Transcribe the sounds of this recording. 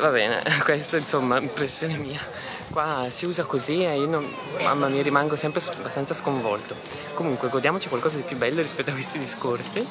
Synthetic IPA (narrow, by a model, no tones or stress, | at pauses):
vabɛːnḛkwest̪oinsomːaimpɾesːjoːnemiːa | kwasiuːzakoziɛinon | mʔa̰mːamiaɾimaŋɡosɛmpɾesabast̪ansaskoɱvɔ̰lt̪o | komuŋkweɡord̪jaːmot͡ʃikwalkɔːzad̪ipjubːɛlːoɾispɛt̪ːoakwest̪id̪iskorsi